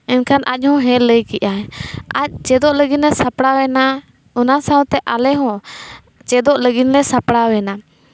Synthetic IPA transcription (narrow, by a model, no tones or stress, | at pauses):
ɛnkʰanʔa̰c̚ˀhɔ̃ɦɛ̃ləjkiʔaa̰c̚t͡ʃɛd̪ɔʔləɡinlɛsapɽawɛna | unasawt̪ɛʔalɛɦɔ̃ | t͡ʃɛd̪ɔʔləɡinlɛsapɽawɛna